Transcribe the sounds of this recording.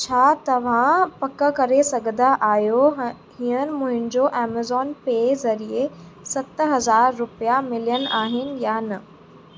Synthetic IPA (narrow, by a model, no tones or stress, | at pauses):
t͡ɕʰaːt̪ɐʋ̤ãpɐkə̆kɐɾesɐɡʱənd̪aʔaːjo | hiənɪ̆mʊ̃ɦɪ̃nɪ̆d͡ʑoʔɛːmazɔːnpeːzɐɾiesɐt̪ɦɐzaːɾːʊpijamɪlijən̆ʔaːɦɪnɪ̆janɐ